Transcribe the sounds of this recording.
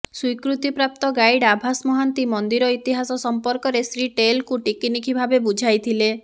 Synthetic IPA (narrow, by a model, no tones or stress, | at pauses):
swikɾut̪ipɾap̚t̪ɔɡajɽabʱasmɔɦant̪imɔnd̪iɾɔit̪iɦasɔsɔmpɔɾkɔɾesɾiʈelkuʈikinikʰibʱabebud͡ʒʱajt̪ʰile